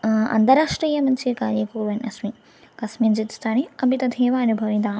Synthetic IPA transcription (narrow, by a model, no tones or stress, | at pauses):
ɐ̰nt̪ɐɾaːʂʈɾɐjɐmɐnt͡ʃikaːɾjɐkuːɾʋɐnɐsmi | kɐsmind͡ʒit̪i̥st̪aːniɐbit̪ɐd̪ʱeːʋaːɐnubʱɐʋid̪aː